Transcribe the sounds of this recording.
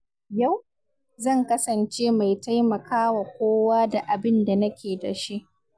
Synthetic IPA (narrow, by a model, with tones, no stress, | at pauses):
ja˦˨w | zɐ˦˨ŋkɐ˦sɐ˨nt͡ʃeː˦ma˨jta˦jmɐ˨kaː˦wa˨kʷoː˦waː˦da˨ʔa˨bɪ˦nda˨nɐ˦kʲʰeː˨dɐ̰˨ʃi˦ʔ